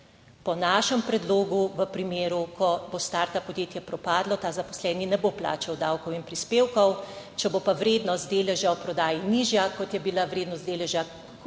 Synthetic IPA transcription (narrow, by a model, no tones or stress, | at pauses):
pɔnaːʃɛmpɾɛd̪loːɡuʋəpɾimeːɾukɔbost̪aɾt̪apɔd̪jeːt̪jɛpɾɔpaːd̪lɔt̪aːzapɔ̥slɛːninɛbopla̰ːt͡ʃawd̪awkɔwinpɾispeːwkɔw | t͡ʃɛbopaʋɾeːd̪nɔst̪̚d̪eːlɛʒjawpɾɔd̪aːjiniʒjakɔt̪jɛbilaʋɾeːd̪nɔst̪d̪eːlɛʒja